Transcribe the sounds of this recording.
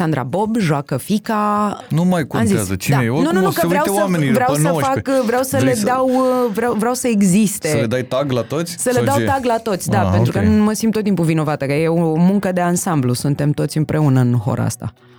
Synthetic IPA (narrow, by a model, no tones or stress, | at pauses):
sand̪ɾa̰bo̞bʒoakəfikanumajkua̰mziazət͡ʃid̪aenunnunukəvɾeaw̪esamenivɾeawsəfakvɾeawsəled̪awvɾeawvɾeawsəeɡzist̪eəled̪ajt̪aɡlat̪ot̪sʲsəled̪awt̪aɡlat̪o̞t̪sʲd̪apent̪ɾukənuməsimb̚t̪ot̪ːimpuvino̞vat̪əkəjeomuŋkəd̪e̞ansamblusunt̪e̞mt̪o̞t̪sʲɨmpɾʔe̞unəɨnɦo̞̰ɾ̰a̰st̪a̰